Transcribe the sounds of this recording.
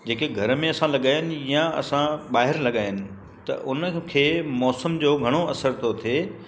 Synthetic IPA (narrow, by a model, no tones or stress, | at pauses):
d͡ʑeːkeɡʱɐɾ̆mẽɐsãlɐɠaːjɪnɪ̆jãɐ̰sãɓaːɦɪɾlɐɠaːjənɪ̆ | t̪ɐ̰ʔʊnkʰeːmɔːsəmd͡ʑoːɡʱɐɽ̃oɐsəɾt̪ʰot̪ʰeː